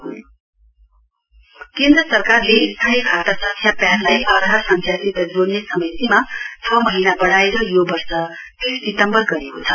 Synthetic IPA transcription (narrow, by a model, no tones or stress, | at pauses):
kẽnd̪ɾʌsʌrkarlest̪ʰanikʰat̪asʌkʰjapjanlajʔʌɾɦasʌnt̪ʰjasit̪ʌd͡zoɽnesʌmʌjt̪imat͡sʰʌmʌɦinabʌɽaeɾʌjobʌrsʌ | p̪isdit̪ʌmbʌrɡʌɾekot͡sʰʌ̥